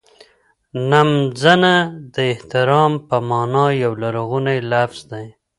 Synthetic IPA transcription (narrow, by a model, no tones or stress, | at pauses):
namzanad̪əɪht̪ɪɾɑmpəmɑnɑjawlaɾɣunajlafz̥d̪aj